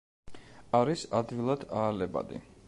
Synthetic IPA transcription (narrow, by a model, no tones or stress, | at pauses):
aɾisad̪vilˠad̪aːlɛba̰d̪ḭ